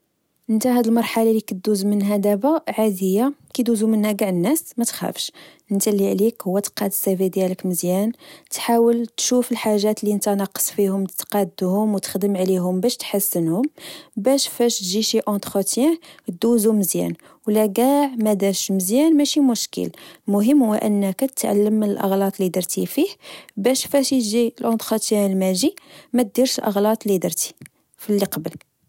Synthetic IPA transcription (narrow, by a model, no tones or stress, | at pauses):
ʔənt̪æhæd̪əlmɑɾˤħalalikəd̪ːuzmənɦæd̪æbæʕad̪əjːakid̪uzumənhæɡaʕənːæsmæt̪xæ̰fʃʔənt̪æliʕlikhʊwːæt̪qɑd̪sævid̪jæləkməzjænt̪ħawəlt̪ʃufəlħaʒːæt̪liənt̪ænɑqə̥sˤfihʊmt̪qɑd̪ːhʊmwt̪ə̥xd̪əmʕliɦʊmbæʃt̪ħasːənhʊmbæʃfæʃt̪ʒiʃiʔɑ̃t̪xət̪jæt̪̚d̪uzuməzjæ̰n | wlæɡæʕmæd̪æʃməzjænmæʃimʊʃkə̰lmʊɦəmːwəʔənːəkæt̪ət̪ʕa̰lːəmːənəlʔɑ̰ɣlɑt̪ˤlid̪əɾt̪ifihbæʃfæʃjʒilʔɑ̃nt̪xət̪jænəlmæʒimæt̪̚d̪iɾʃəlʔɑ̰ɣlɑt̪ˤlid̪ɑɾt̪i̥ | filːiqɑbəl